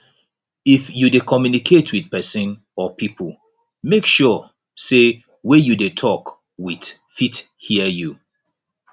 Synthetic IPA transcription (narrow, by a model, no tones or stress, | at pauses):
ifjudekʰɔmjunikʰetʰwidpɛsə̃n | ɔpʰipʰl̩ˠ | mekʃɔ | se | wejudetʰɔk | wið̥ | fit | hiəju